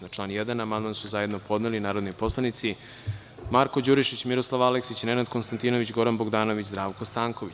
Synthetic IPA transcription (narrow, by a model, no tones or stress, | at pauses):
at͡ʃlˠaːnjed̪anamand̪mansuzajed̪nopʰo̞d̪nelinaːɾo̞d̪nojpo̞slˠanit̪si | maɾko̞d͡ʑuɾiʃit͡ɕmiɾo̞slˠaʋaleksit͡ɕinenad̪konst̪ant̪ino̞ʋit͡ɕɡo̞ɾanboɡd̪aːno̞ʋit͡ɕzd̪ɾaːʋkost̪aːŋko̞ʋit͡ɕ